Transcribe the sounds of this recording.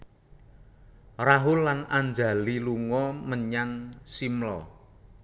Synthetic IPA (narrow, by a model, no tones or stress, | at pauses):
raɦʊlːanand͡ʒa̤liluŋɔməɲaŋsimlɔ̰